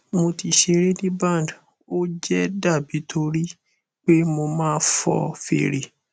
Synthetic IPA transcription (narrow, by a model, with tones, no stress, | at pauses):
mo˧ti˧ʃe˧ɾe˦nĩ˦bã˦˨nd | o˦d͡ʒɛ˦da˦˨bi˨˦tʰo˧˦ɾi˦ | k͡pe˦mo˧mãː˦˧˦fɔ̰˧fḛ˨˧ɾe˨